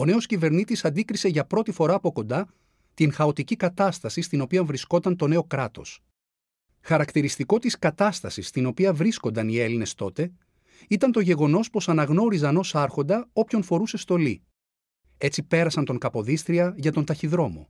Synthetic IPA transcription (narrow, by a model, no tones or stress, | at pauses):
o̞ne̞o̞scive̞ɾnit̪isɐnd̪ikɾise̞ʝɐpɾo̞t̪ifo̞ɾɐːpo̞ko̞nd̪ɐ | t̪inxɐo̞t̪icikɐt̪ɐst̪ɐsist̪ino̞piɐɱvɾisko̞t̪ɐnt̪o̞ne̞o̞kɾɐt̪o̞̰s | xɐɾɐkt̪iɾist̪iko̞t̪iskɐt̪ɐst̪ɐsist̪ino̞piɐvɾisko̞nd̪ɐnie̞line̞st̪o̞t̪e̞ | it̪ɐnt̪oʝe̞ɣo̞no̞spo̞sɐnɐɣno̞ɾizɐno̞sɐɾxo̞nd̪ɐo̞pço̞nfo̞ɾuse̞st̪o̞lḭ | e̞t͡sipe̞ɾɐsɐnt̪o̞ŋkɐpo̞ðist̪ɾiɐʝɐt̪o̞nt̪ɐçiðɾo̞mo̰